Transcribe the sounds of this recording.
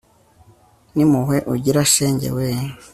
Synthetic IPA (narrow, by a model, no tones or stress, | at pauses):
nimuheʔuɟiɾaʃeːɲɟḛwe